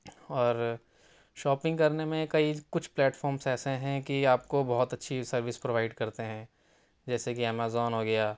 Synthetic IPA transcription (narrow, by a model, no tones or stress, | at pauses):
ɔːɾ | ʃɔːpɪ̃ŋɡkɐɾnemẽkɐikʊt͡ʃʰplɛːʈfɔːɾmsɛːseɦɛ̃kiaːpkobɔɦʊt̪ɐtːʃʰisɐɾʋɪspɾoʋaːɪɖkɐɾt̪eɦɛ̃ː | d͡ʒɛːsekiɛːmaːzɔːnɦoːɡɐjaː